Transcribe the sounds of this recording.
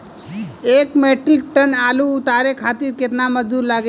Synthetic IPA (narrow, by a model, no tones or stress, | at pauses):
eːkmeʈɾik̚ʈənalut̪aɾekʰat̪iɾket̪naməd͡ʒd̪uɾlaɡe